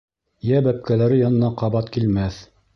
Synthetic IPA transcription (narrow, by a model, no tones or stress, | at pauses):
jæbæp̚kælæɾɘjɑnɤ̆nɑqɑβɑt̪kilmæθ